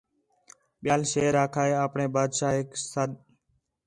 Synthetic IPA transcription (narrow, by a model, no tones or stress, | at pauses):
ɓɪjaːlʃeːɾaːkʰaːeːaːpɳeːbaːd̪ʃaːɦeksəɗ